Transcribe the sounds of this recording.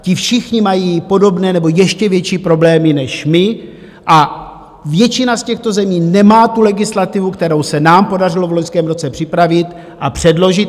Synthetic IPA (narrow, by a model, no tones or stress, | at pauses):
cɪfʃɪxɲɪmajiːpo̞do̞bnɛːnɛbo̞jɛʃcɛvjɛt͡ʃiːpɾo̞blɛːmɪnɛʃmɪ | ʔa | vjɛt͡ʃɪnascɛxt̪o̞zɛmiːnɛmaːt̪ulɛɡɪslat̪ɪvukt̪ɛɾo̞wsɛnaːmpo̞darɪlovlo̞ɲskɛːmɾo̞t͡sɛpr̝̥ɪpɾavɪt̪ | ʔapr̥ɛdlo̞ʒɪt̪